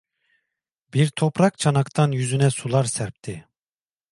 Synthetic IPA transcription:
biɾt̪ʰo̞pɾak̚t͡ʃʰanakt̪ʰanjyzynɛsulˠaɾsæɾp̚t̪ʰi

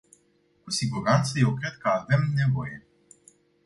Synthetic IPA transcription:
kusiɡuɾant̪səje̞wkɾe̞d̪̚kəave̞mne̞vo̞je̞

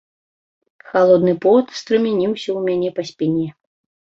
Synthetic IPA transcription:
xalˠɔd̪nɨpɔt̪st̪ɾɨmʲɛnʲiwsʲɐwmʲanʲɛpɐsʲpʲinʲɛ

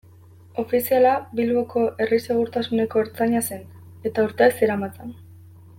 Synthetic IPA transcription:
o̞fisialabilβo̞ko̞ʔe̞rise̞ɣ̞uɾt̪asune̞ko̞eɾt͡saɲase̞n | e̞t̪auɾt̪eakseɾamat͡sen

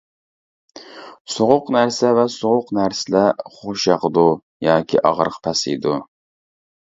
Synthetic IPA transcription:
soʁʊqnæɾsɛvɛsoʁʊqnæɾsɪlɛχoʃjɑqəd̪u | jɑːkʲʰḭʔɑʁɾəqpʰɛsid̪u

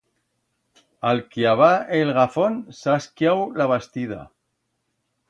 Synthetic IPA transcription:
alkiaβaelɣafonsaskjawlaβast̪ið̞a̰

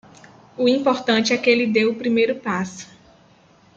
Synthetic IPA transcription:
ʊĩpoɾt̪ɐ̃t͡ʃɪɛkɪelɪd̪ewʊpɾimejɾʊpasʊ̥

